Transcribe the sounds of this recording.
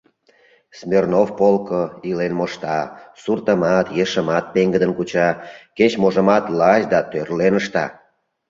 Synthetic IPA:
smʲernofpolkoilenmoʃt̪ɑsurt̪əmɑt̪jeʃəmɑt̪̚peŋɡəd̪ənkut͡ɕɑket͡ɕmoʒə̆mɑt̪lɑɕd̪ɑt̪ørlenəʃt̪ɑ̰

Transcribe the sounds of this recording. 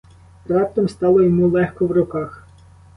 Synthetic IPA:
ɾɑp̚t̪ɔmst̪ɑlˠɔjɔmulˠɛxkɔwrʊkɑx

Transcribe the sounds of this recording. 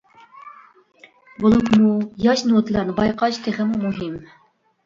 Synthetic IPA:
bolˠukmujɑʃnot̪lˠɑɾnɨbɑjqʰɑt͡ʃt̪ʰeʁɨmumuɦɪm

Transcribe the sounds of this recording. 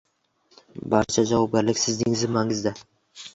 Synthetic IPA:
baɾt͡ʃʰad͡ʒavɒb̚ɡʲaɾlɪkʲsɪznɪŋzɪmaŋɪzd̪a

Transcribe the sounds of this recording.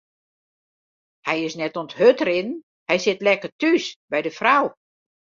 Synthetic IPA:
hɛjɪsnɛtonthøtəɾɪnn | hɛjsɪtlɛkərtysbɛjdəfraw

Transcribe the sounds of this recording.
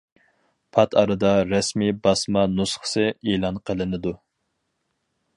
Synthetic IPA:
pʰɑt̪ʰɑɾɨd̪ɑɾɛsmibɑsmɑnusχə̥sɨelˠɑnqʰəlˠɨnɪd̪u

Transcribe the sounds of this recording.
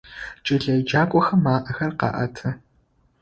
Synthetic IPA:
t͡ʃʼɪɮɐjd͡ʒaːkʷʼɔxɐmːaːʔɐxɐrqɑ̰ʔɐ̰tʰɐ

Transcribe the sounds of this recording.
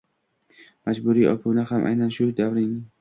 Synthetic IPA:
mad͡ʒbuɾiːɒ̰pʰunahamʔa̰jnanʃʊd̪avɾɪŋ

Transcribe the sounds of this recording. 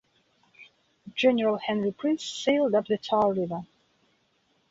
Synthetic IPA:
d͡ʒɛnəɹəlˠhɛ̃nɹipʰɹ̥isseɪlˠdʌp̚ðɨtʰɑlˠɹɪvə˞

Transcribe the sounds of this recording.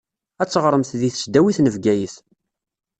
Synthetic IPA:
æt͡sːəʁɾˤəmθðiθə̥sd̪æwiθnəvɡæjəθ

